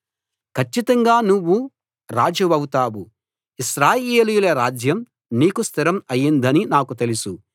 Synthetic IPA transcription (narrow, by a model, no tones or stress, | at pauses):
kʰɐt͡ʃːit̪ɐŋɡaːnuʋːu | ɾaːd͡ʒɐʋɐwut̪aːwu | iʃɾaːjeːlujulɐɾaːd͡ʒjɐm | niːkust̪ʰiɾɐmɐjːind̪ɐninaːkut̪e̞lisu